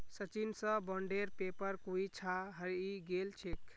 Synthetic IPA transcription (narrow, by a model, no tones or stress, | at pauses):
sət͡ʃinsə̃bɔɳɖeɾpepəɾkuit͡ʃʰaɦəɾiɡelt͡ʃʰek